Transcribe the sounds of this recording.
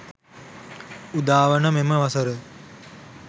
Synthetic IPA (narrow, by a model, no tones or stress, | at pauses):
ud̪aːʋənəmeməʋasəɾə